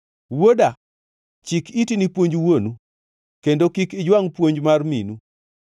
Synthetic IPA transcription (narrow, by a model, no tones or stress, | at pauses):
woda | t͡ʃikitinipwoɲd͡ʒwonu | kendokikɪd͡ʒwaŋpwoɲd͡ʒmarmḭnu